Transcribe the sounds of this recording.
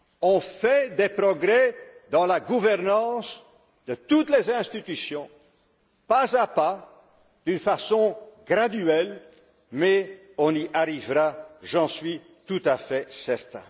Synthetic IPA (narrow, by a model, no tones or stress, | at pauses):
ɔ̃fɛd̪epʁɔɡʁɛd̪ɑ̃laɡuvɛʁnɑ̃s | d̪ət̪ut̪lezɛ̃st̪it̪ysjɔ̃ | pazapa | d̪̥ynfasɔ̃ɡʁad̪yɛl | mɛ | ɔ̃niʔaʁivʁaʒɑ̃sɥi | t̪ut̪afɛsɛʁt̪ɛ̰̃